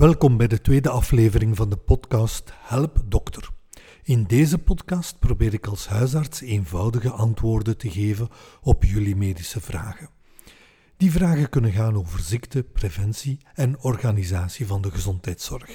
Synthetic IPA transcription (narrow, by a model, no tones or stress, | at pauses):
ʋɛlˠkɔmbɛjdətweːdəɑfleːvəɾɪŋvɑndəpɔtkɑːsthɛlpdɔktər | ɪndeːzəpɔtkɑst̚probeːɾɪkɑlˠsɦœɥsɑrtseːnvɑwdəɣəʔɑntʋoːrdəntəɣeːvənɔpjylimeːdisəvra̰ːɣə | d̥ivraːɣəkɵnənɣaːnoːvərzɪktəprevɛnsiɛnɔrɣaːnizaːsivɑndəɣəzɔntɦɛjtsɔrx